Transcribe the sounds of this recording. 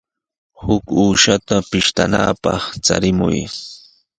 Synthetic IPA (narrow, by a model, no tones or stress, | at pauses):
hʊkuːʃat̪apɪʃt̪a̰naːpɑχt͡sa̰ɾɪmʊ̰j